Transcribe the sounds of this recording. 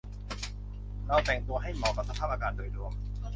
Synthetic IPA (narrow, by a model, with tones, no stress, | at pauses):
ɾa˧wt̪ɛː˨˩ŋt̪u˧ɐɦa˥˩jmɔː˧˩ka˨˩p̚sa˧pʰaː˥˩p̚ʔːkaː˧ndoː˨˩jdu˧əm